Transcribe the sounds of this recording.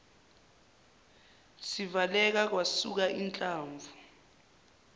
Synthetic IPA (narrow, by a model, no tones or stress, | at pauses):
sivalɛk̬ak̬wasuk̬aʔint͡ɬʼaːɱvʱu